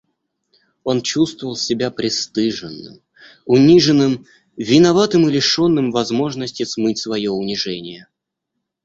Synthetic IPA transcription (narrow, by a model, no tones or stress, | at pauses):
o̞nt͡ɕust̪vəvəlˠsʲɪbʲapɾʲɪst̪ɨʐɨnːɨ̰m | ʊnʲiʐɨnːɨm | vʲɪnɐvat̪ɨmɨlʲɪʂo̞nːɨmvɐzmo̞ʐnəsʲtʲɪsmɨtʲsvɐjo̞ʊnʲɪʐɛnʲɪjə